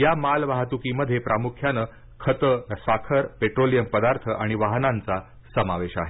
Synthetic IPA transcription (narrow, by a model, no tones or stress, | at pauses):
jamalʋaɦt̪ukiməd̪ʱːjepɾamukʰjanə | kʰət̪əsʋakʰəɾpeʈɾolijəmpəd̪aɾt̪ʰəʔaɽ̃iʋaɦnãnt͡sa | səmaʋeɕa̰ɦe